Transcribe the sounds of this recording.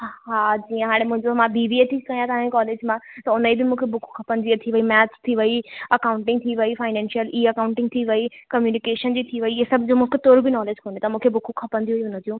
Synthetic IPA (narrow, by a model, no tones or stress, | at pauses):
ɦaːd͡ʑiːə̃ɦaːɽ̃ẽmʊ̃ɦɪ̃ɲd͡ʑomãbiːʋiet̪ʰikɐjãt̪ɐʋãkɔːleːd͡ʑmãt̪ɐʊnəibɪmũːkʰebʊkʰũ̥kʰɐpə̃nd̪iɐt̪ʰiʋɐimɛːtst̪ʰiʋɐiɐkaːʊ̃ɳʈɪ̃ŋɡ̚t̪ʰiʋɐifaːɪnɛ̃ːnʃijəliːɐkaːʊ̃ɳʈɪ̃ŋɡ̚t̪ʰiʋɐikɐmjuːnɪkeːʃənd͡ʑiːt̪ʰiʋɐiesɐbʱd͡ʑoːmũːkʰet̪oːɾbɪnɔːled͡ʑkʰoːnet̪ɐmũːkʰebʊkʰukʰɐpə̃nd̪iuɦiɦʊnə̃t̪ijũː